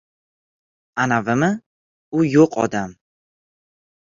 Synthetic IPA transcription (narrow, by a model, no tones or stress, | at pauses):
anavɪmɪ | ʊjoqʰɒ̰d̪am